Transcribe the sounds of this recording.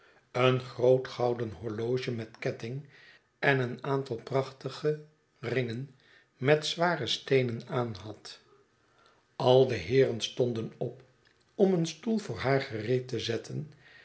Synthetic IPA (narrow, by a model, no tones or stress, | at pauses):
ənχrowtχɑwdənɦɔɹlowʒəmɛtkɛtɪŋ | ɛnənaːntɑlˠprɑχtəχə | rɪŋən | mɛtsʋaːrəstejnənaːnɦɑt | ʔɑlˠdəɦɪːrənstɔndənɔp | ɔmənstulˠvʊːɹɦaːɹχərejtəzɛtʰən